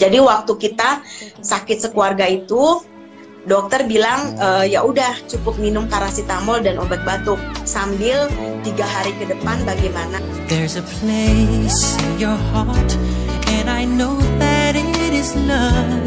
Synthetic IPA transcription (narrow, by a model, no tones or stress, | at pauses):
d͡ʒadiwak̚t̪ukit̪asakɪt̪̚səkuarɡait̪u | dɔk̚t̪ərbilaŋəːjaʔudaht͡ʃukʊp̚minʊmt̪aɾasit̪amɔldanobɛt̪̚bat̪ʊk̚sambɪlt̪iɡaɦaɾikədəpanbaɡɛjmana | ðɛɹzəpʰleɪsɪ̃njɔɹhɑɹtɛ̃najnoʊðæɾɪɾɪzlʌ